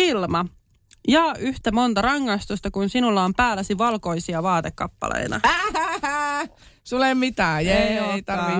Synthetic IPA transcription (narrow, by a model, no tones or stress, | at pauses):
ilmɑ | jɑːʔyht̪æmo̞nt̪ɑrɑŋːɑjst̪ust̪ɑkunsinulːɑompæːlːæsiʋɑlko̞isiɑʋɑːt̪ekːɑ̰pːɑ̰lḛjt̪ɑ̰ | sulemmit̪æːjoeit̪ɑrʋi